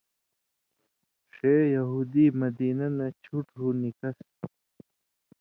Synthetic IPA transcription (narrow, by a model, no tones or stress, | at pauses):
ʂeːjɐɦuːd̪imɐd̪iːnɐnɐt͡ɕʰuʈɦuːnikɐs